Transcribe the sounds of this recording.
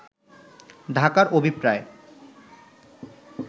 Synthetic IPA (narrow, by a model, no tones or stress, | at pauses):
d̪ʱakaɾobʱipɾae